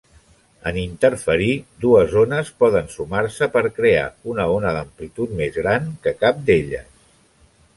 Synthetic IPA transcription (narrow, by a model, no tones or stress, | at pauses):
ənint̪əɾfəɾid̪uəzonəspɔðənsumaɾsəpəɾkɾea̰unəonəðəmplit̪ut̪mezɣɾankəkap̚d̪eʎə̰s